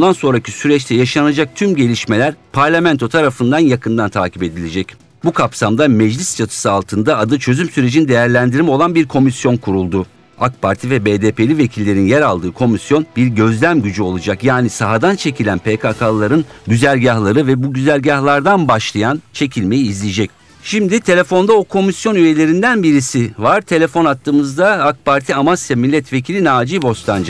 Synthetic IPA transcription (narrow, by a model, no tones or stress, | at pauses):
und̪anso̞nɾacʰisyɾɛt͡ʃt̪ʰɛjaʃanad͡ʒak̚t̪ʰymɟe̞lʲiʃme̞lʲæɾpʰaɾlʲamɛnt̪ʰo̞t̪ʰaɾafɯnd̪anjakʰɯnd̪ant̪ʰaːcʰipe̞d̪ilʲe̞d͡ʒɛc | bukʰapsamd̪amɛd͡ʒlʲist͡ʃʰat̪ʰɯ̥sɯalˠt̪ʰɯnd̪aːd̪ɯt͡ʃʰø̞zymsyɾe̞d͡ʒinid̪e̞jæɾlʲænd̪iɾimo̞lˠanbiɾkʰo̞misjo̞nkʰuɾulˠd̪u | akpʰaɾt̪ʰivɛbeːd̪eːpe̞lʲive̞cʰilʲːe̞ɾinjɛɾalˠd̪ɯːkʰo̞misjo̞nbiɾɟø̞zlʲæmɟyd͡ʒyo̞lˠad͡ʒakjaːnisaɦad̪ant͡ʃʰe̞cʰilʲænpʰeːkʰakʰalˠaɾɯnɟyzælʲɟahlˠaɾɯvɛbuɟyzælʲɟahlˠaɾd̪anbaʃlˠajant͡ʃʰe̞cʰilʲme̞jiːzlʲijd͡ʒɛc̚ | ʃimd̪it̪ʰe̞lʲe̞fo̞nd̪ao̞kʰo̞misjo̞nyje̞lʲe̞ɾind̪ænbiɾisivaɾt̪ʰe̞lʲe̞fo̞nat̪ʰːɯːmɯzd̪aak̚paɾt̪ʰiamasjamilʲːɛt̪ve̞cʰilʲinaːd͡ʒibo̞st̪ʰˠand͡ʒa